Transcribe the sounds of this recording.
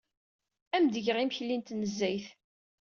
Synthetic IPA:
æmd̪əʝʁimçlint̪nəzːæjθ

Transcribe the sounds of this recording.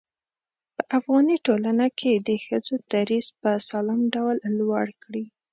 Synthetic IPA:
pəʔafɣɑniʈolanakʰed̪əxəzod̪aɾizpəsɑlɑmɖawllwaɽkɽi

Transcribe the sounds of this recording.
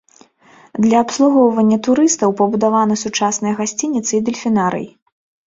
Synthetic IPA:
d̪lʲɐːpslˠuɣɔwvɐnʲːɐt̪uɾɨst̪ɐwpɐbud̪avanɐsut͡ʂasnɐjɐɣasʲt͡sʲinʲit̪sɨid̪ɐlʲfʲinaɾɨ̰j

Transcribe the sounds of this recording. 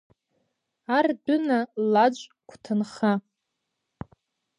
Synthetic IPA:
ardʊnalad͡ʒʷʼ | kʷʰtʰɨnχa

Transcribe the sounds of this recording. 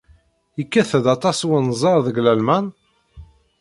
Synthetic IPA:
ikːæθəðɑt̪ˤɑswənzˤɑɾˤðəɡlælmæn

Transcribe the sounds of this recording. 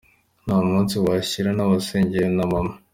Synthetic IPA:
namuːnsiwaɕiɾanaβaseːɲɟeɾenamama

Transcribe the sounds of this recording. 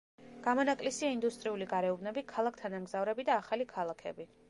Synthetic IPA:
ɡ̥amɔnakʼlisiaind̪ust̪ʼɾiuliɡaɾɛubnɛbikʰalˠak̚ʰt̪ʰanamɡzavɾɛbid̪aːχalikʰalˠakʰɛ̰bi

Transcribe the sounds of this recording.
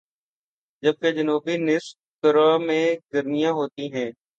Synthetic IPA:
d͡ʒəb̚ked͡ʒənuːbinɪs | t̪əɾamẽɡəɾnijãɦoːt̪iɦɛ̃ː

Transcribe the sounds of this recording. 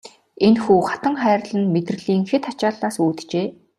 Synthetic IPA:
enxuːχat̪ə̆ŋχæːr̆ɮɘ̆nmet̪rɘ̆ɮiːŋxet̪at͡ɕaːɮaːsuːt̪t͡ɕeː

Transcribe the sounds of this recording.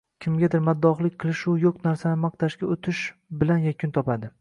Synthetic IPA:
kʲʰɪmɡʲad̪ɪɾmad̪ːɒχlˠɪkʲqʰɨlˠɪʃʊjoqnaɾsanɪmɑqt̪ʰaʃɡʲaot̪ʰɪʃbɪlanjakʲʰʊnt̪ʰɒpad̪ɪ

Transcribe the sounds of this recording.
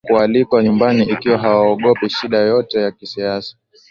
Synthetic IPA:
kualikwaɲumbaniikiwaɦawaɔɠɔpiʃiɗajɔtɛjakisiasḁ

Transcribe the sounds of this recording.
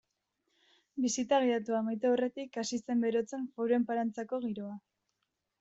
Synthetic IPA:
bisit̪aɣ̞iat̪uamajt̪eore̞t̪ikasise̞mbe̞ɾo̞t͡se̞ɱfoɾue̞mpaɾant͡sako̞ɣ̞iɾo̞a

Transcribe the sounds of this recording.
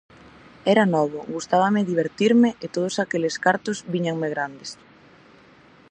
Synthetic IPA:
ɛɾanɔβ̞ʊɡust̪aβɐmɪðiβ̞eɾt̪iɾmɪʔet̪oð̞ʊsakeleskaɾt̪ʊzβiɲaŋmeɣɾand̪es

